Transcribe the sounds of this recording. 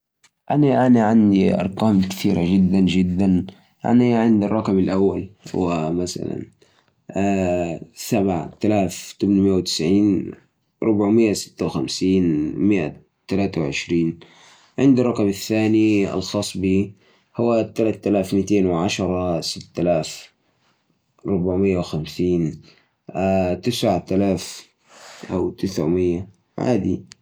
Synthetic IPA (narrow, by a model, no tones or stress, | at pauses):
ʔaniʔaniʕand̪iʔɑ̰ɾˤkaːmkɪ̥t̪iːɾa̰d͡ʒɪd̪ːand͡ʒɪd̪ːan | ʔa̰niʕɪnd̪ɑrˤːɑkamalʔawːal̰wamasa̰la̰n | a | sabʕa̰t̪alaːft̪ʊbnmɪjːawt̪ɪ̥sʕiːn | ɾˤʊbʕmɪjːasɪ̥t̪ːawxamsiːnmɪʔa̰ | t̪alaːt̪awʕɪ̰ʃɾiːn | ʕɪnd̪ɑrˤːɑkɑmaθːaːniɑ̰lxɑːsˤbiː | hʊwat̪ːalat̪ːalaːfmit̪eːnwʕaʃɑɾˤɑsɪt̪ːalaːf | ɾˤʊbaʕmɪjːawxamsiːn | at̪ɪsʕt̪alaːf | ʔawt̪ɪsʕmɪjːa | ʕa̰ːd̪i